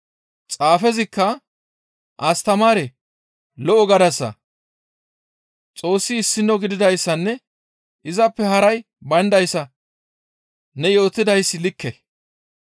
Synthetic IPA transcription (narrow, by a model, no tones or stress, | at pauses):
t͡sʼaːfɛzɪkːɐ | ʔɐst̪ɐmaːɾɛ | lɔʔɔɡɐd̪ɐsːɐ̰ | t͡sʼo̞ːsːɪːsːɪnːɔɡɪd̪ɪd̪ɐjsːɐnːɛ | ʔɪzɐpːɛhɐɾɐj | bɐnd̪ɐjsːɐ | nɛjo̞ːt̪ːɪd̪ɐjsːɪlɪkːɛ